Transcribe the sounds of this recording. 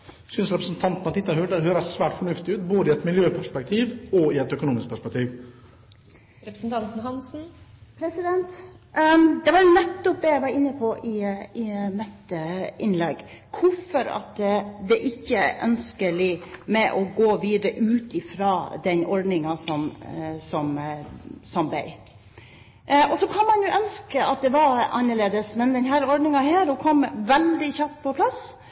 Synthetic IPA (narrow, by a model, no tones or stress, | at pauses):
sʏnsɾɛpɾəsn̩t̪ʰɑnt̪mɑt̪ɪt̪ɑhøhøːɾəsʋæːʈfɔɳʉft̪ɪʉːt̪boːd̪əɪɛt̪mɪljøːpʰæʂpɛk̚t̪ʰiːʋɔɪɛt̪œkʊnuːmɪsk̚pʰæʂpɛk̚t̪ʰiːʋ | ɾɛɾsn̩t̪ʰɑnt̪n̩hɑnsn̩pʰɾɛsɪd̪ɛnt̪ | d̪ɛʋɑɾnɛt̪ːɔp̚d̪ɛjæɪʋɑɾɪnːəpʰɔʔɪɪnɛt̪ːəɪnlɛɡ | kʰʊfɔɾɑ̰t̪d̪ɛʔɪçːəʔœ̰nskəlɪmɛʔɔɡoːʋiːd̪əɾəʔʉːt̪ɪfɾɑːd̪ɛnʔɔɾɖnɪŋɑsɔmsɔm | sɔmbɛ̰ɪ | ɔsɔkʰɑnmɑnjʊʔœnskəɑt̪̚d̪ɛʋɑɾʔɑ̰nːəɭeːd̪əsmɛnd̪ɛnɦæːɾɔɾɖnɪŋɑhæːɾhʊkʰɔmːʋɛld̪ɪçɑpːpʰɔpʰlɑs